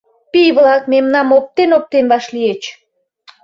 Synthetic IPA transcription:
pijβlɑk̚memnɑmop̚t̪enop̚t̪enβɑʃliet͡ɕ

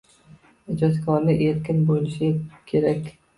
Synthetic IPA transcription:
ɪd͡ʒɒt̪kʰɒɾlɪʔeɾkʲɪnbolɪʃɪkʲʰe̞ɾakʲ

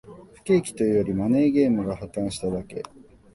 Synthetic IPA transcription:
ɸɯ̥ke̞ːkʲi̥t̪o̞ijoɾʲimane̞ːɡe̞ːmɯ̟ɡahat̪ːãɰ̃ɕi̥t̪ad̪ake̞̰

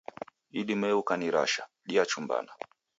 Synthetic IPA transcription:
iɗimɛukaniɾa̰ʃa | ɗiat͡ʃumba̰na

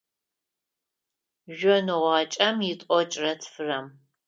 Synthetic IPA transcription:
ʒɔnɨʁɑːt͡ʃʼɐmjɪtʼɔt͡ʃʼrɐtʰfɨrɐm

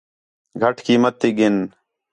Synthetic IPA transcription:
ɡʱɐʈʰkiːmət̪ːiːɡɪn

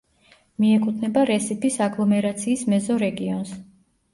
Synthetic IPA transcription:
miɛkʼut̪ʰnɛbaɾɛsipʰisaɡlˠɔmɛɾat̪sʰiːsmɛzɔɾɛɡiɔns

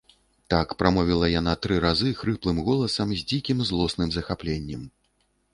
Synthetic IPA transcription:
t̪akpɾʔamɔvʲilˠɐjanat̪ɾɨɾazɨxɾɨplˠɨmɣɔlˠɐsɐmzʲd͡zʲikʲimzlˠɔsnɨmzɐxaplʲenʲːɛm

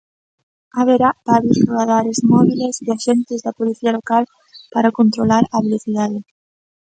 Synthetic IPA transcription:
aβeɾapaɾjosruaðaɾezmɔβileseaʃent̪ɪzðɐpoliθialokal | paɾakont̪ɾolaɾɐβeloθiðaðɪ

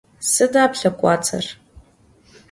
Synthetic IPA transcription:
sɨdapʰɬakʷʼat͡sʰa̰r

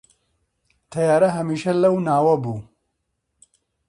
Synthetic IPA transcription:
t̪ʰɐjaːɾɐɦɐmiːʃɐlɐwnaːwɐbuː

